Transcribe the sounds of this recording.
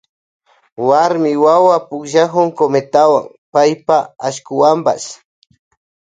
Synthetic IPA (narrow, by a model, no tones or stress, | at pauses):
waɾmɪwawapʊkʒakʊŋkomet̪awa̰ŋ | pajpaaʃkʊwampa̰s